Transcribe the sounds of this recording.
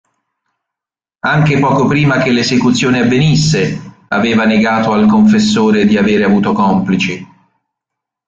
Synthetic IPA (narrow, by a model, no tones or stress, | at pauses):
aŋk̟epɔːkopɾiːmak̟elezekut̪sːjoːneavːenisːe | a̰veːvaneɡaːt̪oalkoɱfesːoːɾed̪iaveːɾeavuːt̪okɔmplit͡ʃi